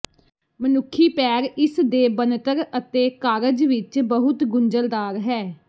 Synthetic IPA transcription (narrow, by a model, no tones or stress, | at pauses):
mənʊkʰːiːpɛːɾɪsd̪eːbənt̪əɾət̪eːkaːɾəd͡ʒʋɪt͡ʃbəɦʊt̪ɡʊɲd͡ʒəld̪aːɾɦɛː